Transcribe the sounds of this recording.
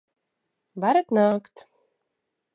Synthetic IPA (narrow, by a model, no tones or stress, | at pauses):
vaɾət̪naːkt̪